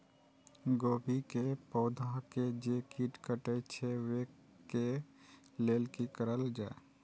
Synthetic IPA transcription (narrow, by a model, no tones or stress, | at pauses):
ɡobʱikepɔːd̪ʱaked͡ʒekiʈkəʈət͡ʃʰeʋe | ke | lelkikəɾəld͡ʒae